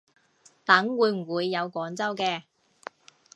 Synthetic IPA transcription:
t̪ɐ˨˥ŋwuː˨˧jm̩˨˩wuː˨˧jːɐ˨˧wkʷɔː˨˥ŋt͡sɐ˥wkɛː˧

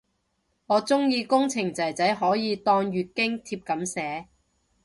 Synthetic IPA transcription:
ŋɔː˨˧t͡sʊ˥ŋjiː˧kʊ˥ŋt͡sʰɪ˨˩ŋt͡sɐ˨˩jt͡sɐ˨˥jɦɔː˨˥jiː˨˧t̪ɔː˧ŋjyː˨˧t̚kɪ˥ŋt̪ʰiː˧p̚kɐ˨˥msɛː˨˥

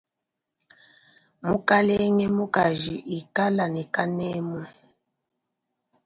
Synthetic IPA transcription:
mu˦ka˦lɛ˦ŋɛ˦mu˦ka˨ʒi˨ʔi˨ka˦la˨nɛ˨ka˦nɛ˦mɔ˨

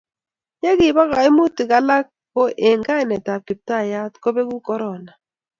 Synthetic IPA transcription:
je˦ɡɪ˨ba˦ɣa˨ɪ˦mu˦tɪ˨ka˦la˦k̚ː | o˦ʔe˨ŋɡa˦ɪ˨nɛ˨ta˨ki˨p̚ta˦˨ja˦tko˦be˦ɡu˦kɔ˦ɾɔ˨na˨

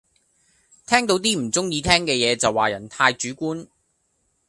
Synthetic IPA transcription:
t̪ʰɛː˥ŋt̪o˨˥wt̪iː˥m̩˨˩t͡sʊ˥ŋjiː˧t̪ʰɛː˥ŋkɛː˧jɛː˨˧t͡sɐ˨waː˨jɐ˨˩nt̪ʰaː˧jt͡ʃyː˨˥kuː˥n

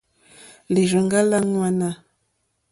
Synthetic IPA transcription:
li˨ɾə˨ŋɡa˦la˦ŋwa˦na˦

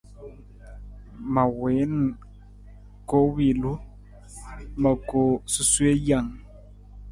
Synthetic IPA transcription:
ma˨we˨˦n | ko˦wi˨lu˦ | mə˨ko˨su˦swe˦ja˨ŋ

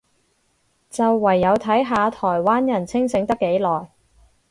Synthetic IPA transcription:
t͡sɐ˨wːɐ˨˩jːɐ˨˧wt̪ʰɐ˨˥jɦaː˨˧t̪ʰɔː˨˩jwaː˥njɐ˨˩nt͡sʰɪ˥ŋsɪ˨˥ŋt̪ɐ˥kːe˨˥jlɔː˨˩j

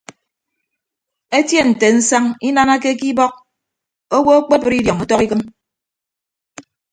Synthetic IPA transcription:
e˦tje˦n̩˨te˨n̩˦sa˦ŋi˦na˦na˦ke˦ki˦bɔ˦k̚ | o˦wo˦o˦k͡pe˦pɨ˦ɾi˦djɔ˨ŋɔ˦tɔ˦ki˦kɨ˦m

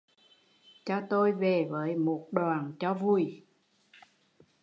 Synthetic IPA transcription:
t͡ɕɔ˧t̪o˧jve˨˩vəː˨˦jmo˨˩t̚ɗwaː˨˩nt͡ɕɔ˧vu˨˩j

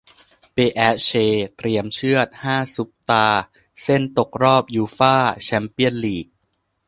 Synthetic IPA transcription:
peː˧ʔɛː˦˥t͡ɕʰeː˧t̪ɾi˧əmt͡ɕʰɯ˥˩ət̪̚haː˥˩su˦˥p̚t̪aː˧ | se˥˩nt̪o˨˩k̚ɾɔː˥˩p̚juː˧faː˥˩t͡ɕʰɛ˧˥mpi˦˥˩ənliː˨˩k̚

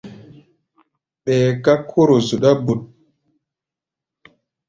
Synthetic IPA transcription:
ɓɛː˨ka˦kʰo˦ɾo˨zu˨ɗa˦bu˨ɗ̚

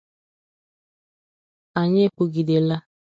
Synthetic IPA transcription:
a˨ɲe˦k͡pu˨ɡi˨de˨la˦

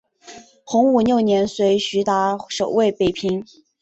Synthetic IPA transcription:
xʊ˧˥ŋu˨˩njo˥˩ʊnjɛ˧˥nswe˧˥ɪɕy˧˥t̪a˧˥ʂo˨˩ʊwe˥˩ɪpe˨˩ɪpʰi˧˥ŋ

